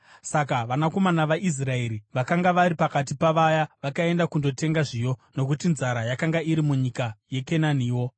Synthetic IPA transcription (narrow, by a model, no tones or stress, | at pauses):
sakaʋanako̞manaʋaʔis̬rae̞ɾiʋakaŋɡaʋaɾipakat̬ipaʋajaʋakae̞ndakundo̞te̞ŋɡaʐijo̞no̞kutinzaɾajakaŋɡaiɾimuɲikaje̞kenaniːwo̞